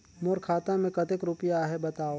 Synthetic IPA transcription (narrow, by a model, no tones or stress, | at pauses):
moːɾkʰaːt̪ãmẽkɐt̪ɪkɾʊpjaɦɛbɐt̪aːo